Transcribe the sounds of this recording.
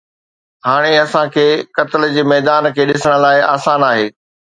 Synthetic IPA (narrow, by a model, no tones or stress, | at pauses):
ɦaːɽ̃eɐsãkʰeːkɐt̪ɪld͡ʑeːmɛːd̪aːnkʰeːɗɪsəɽ̃̆laːɪaːsaːnaːɦeː